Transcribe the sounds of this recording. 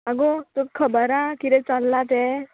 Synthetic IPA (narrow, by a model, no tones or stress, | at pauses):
aɡot̪ukkʰːəbəɾakit̪ɛ̃t͡salːat̪e